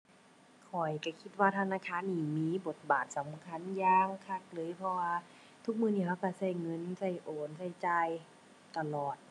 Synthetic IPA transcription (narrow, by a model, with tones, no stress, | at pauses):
kʰɔ˨˩jka˧˩kʰi˧t̪̚waː˧t̪ʰa˧naː˧kʰaː˧˥˨nːiː˧˩miː˧˥˨bo˨˩t̪̚baː˨˩t̪̚sa˨˦mkʰa˧˥˨njaː˧ŋkʰa˧˩k̚lɤː˧˦˨jpʰɔ˧waː˧ | t̪ʰu˧k̚mɯː˧niː˧˩hʰa˧˩wka˧˩sa˧˩jŋɤ˧˥˨nsa˧˩jʔoː˨˩nsa˧˩jt͡ɕaː˧j | t̪a˧˨lɔː˨˩t̪̚